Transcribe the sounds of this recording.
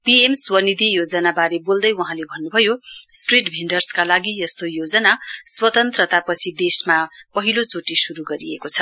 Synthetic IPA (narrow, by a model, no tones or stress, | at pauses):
piemswʌnid̪ʱijod͡zʌnabaɾebold̪ʌjwuɦãlebʱʌnːubʱʌjosʈriʈbʱiɳɖʌrskalaɡijʌst̪ojod͡zʌnaswʌt̪ʌnt̪rʌt̪apʌt͡sʰid̪esmapʌɦilot͡soʈisuɾuɡʌɾiekot͡sʰʌ